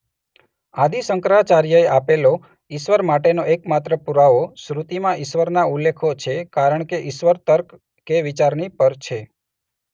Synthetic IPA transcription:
ad̪isəŋkɾat͡ʃaɾjəeʔapelo | ɪʃʋəɾmaʈenoʔekmat̪ɾəpuɾaʋosɾut̪imãʔɪʃʋəɾnaulːekʰot͡ʃʰekaɾəɳ̃keʔɪʃʋəɾt̪əɾk | keʋit͡ʃaɾnipəɾt͡ʃʰe

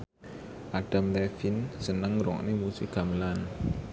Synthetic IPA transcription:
ʔaɖ̥a̤mlɛfɪnsənəŋɾɔ̰ʔnemusɪkamlan

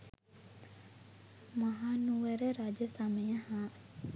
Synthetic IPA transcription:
mɐɦaːnuʋeɾeɾad͡ʒəsaməjəhaː

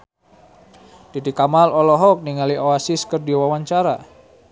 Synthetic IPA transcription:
d̥idikamalɔlɔɦɔk̚niŋaliʔoasɪskərdiwawaɲt͡ʃaɾa

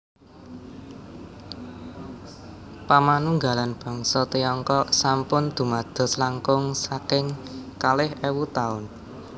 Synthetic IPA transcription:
pamanuŋɡalanb̥ɔ̤ŋsɔt̪iɔŋkɔsampʊnd̪̥ṳmad̪̥ɔ̤slaŋkʊŋsakɪŋkalɪhɛwut̪aʊn

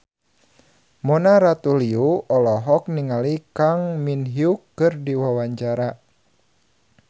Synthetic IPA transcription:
mɔnaɾat̪uliuɔlɔɦɔk̚niŋalikaŋminɦiukːɨrdiwawaɲt͡ʃaɾa

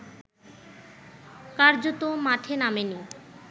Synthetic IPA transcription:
kaɾd͡ʑot̪omaʈʰenameni

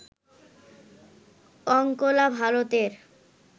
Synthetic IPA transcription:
ɔŋkolabʱalot̪eɾ

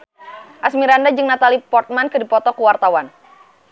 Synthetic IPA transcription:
ʔasmiɾandad͡ʒɨŋnat̪alipɔrt̪̚mankɨdipɔt̪ɔkuwart̪awan

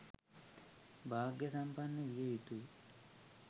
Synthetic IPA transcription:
bʱaːɡjɐsampanːəʋijəʋit̪ui

